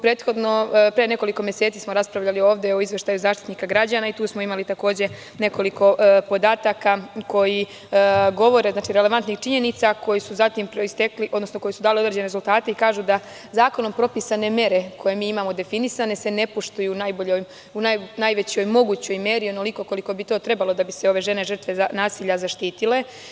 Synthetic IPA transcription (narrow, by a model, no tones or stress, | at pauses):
pɾeːt̪xo̞d̪no̞pɾene̞ko̞liko̞mje̞seːt̪siːsmoɾaspɾaʋʎalio̞ːʋd̪e̞oizʋje̞ʃt̪ajuzaːʃt̪i̥t̪niːkaɡɾad͡ʑaːnait̪uːsmoimalit̪ako̞ːd͡ʑe̞ | ne̞ko̞liko̞po̞d̪aːt̪akako̞ji | ɡo̞ʋo̞ɾeznaːt͡ʃiɾeleʋant̪nixt͡ʃiɲe̞nit̪sako̞jisuzat̪impɾist̪ekliʔo̞d̪no̞snoko̞jisud̪aːliod̪ɾed͡ʑeneɾezulˠt̪aːt̪e̞ikaːʒud̪a | zaːko̞no̞mpɾo̞pisane̞mje̞ɾe̞ko̞je̞miːimamo̞d̪e̞finisane̞se̞ne̞poʃt̪ujunajboʎoj | unanajʋet͡ɕjo̞jmo̞ɡuːt͡ɕo̞jme̞ːɾio̞no̞liko̞ko̞liko̞bit̪o̞ːt̪ɾe̞balo̞d̪abiseo̞ʋe̞ʒe̞ne̞ʒər̩t̪ʋeanaːsiːʎazaʃt̪iːt̪ile̞